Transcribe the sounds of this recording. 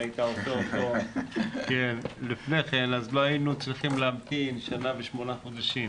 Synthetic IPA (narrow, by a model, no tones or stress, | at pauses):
ait̪aoooto | kenlifneχenazlohajinut͡sʁiχimleamt̪inʃanaveʃmo̞naχod̪aʃim